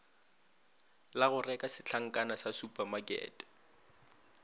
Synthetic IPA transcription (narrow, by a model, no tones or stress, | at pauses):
laɣʊrɛkʼasɪt͡ɬʰaŋ̩kʼanasasupʼamakʼɛ̰ːtʼɛ̥